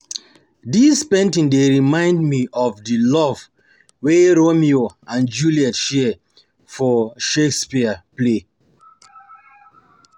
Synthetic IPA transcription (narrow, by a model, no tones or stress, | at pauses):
dispɛ̃ntĩŋdeɹimãɪ̃ndmiʔɔvdilɔv | weɹomioʔãnd͡ʒuliɛtʃɛ | fɔʃekspiəple